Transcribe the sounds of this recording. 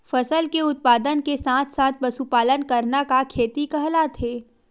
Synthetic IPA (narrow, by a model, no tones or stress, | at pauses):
fɐsəlkeʊt̪̚paːd̪ənkesaːt̪ʰsaːt̪̚ʰbɐsupaːlənkɐɾnakakʰeːt̪ikɐɦlat̪ʰeː